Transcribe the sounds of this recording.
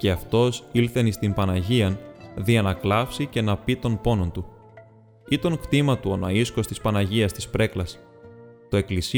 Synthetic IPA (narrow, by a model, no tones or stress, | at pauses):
ce̞ɐft̪o̞silθe̞nist̪impɐnɐʝiɐnðiɐnɐklɐfsice̞nɐpit̪o̞npo̞no̞nt̪u | it̪o̞ŋkt̪imɐt̪uo̞nɐisko̞st̪ispɐnɐʝiɐst̪ispɾe̞klɐs | t̪o̞e̞klis